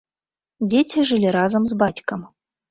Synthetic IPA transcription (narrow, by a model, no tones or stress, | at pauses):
d͡zʲet͡sʲiʐɨlʲiɾazɐmzbat͡sʲkɐm